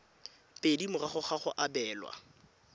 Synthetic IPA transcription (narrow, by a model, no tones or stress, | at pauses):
pʼedimʊraχʊχaχʊʔabɛːlwa̰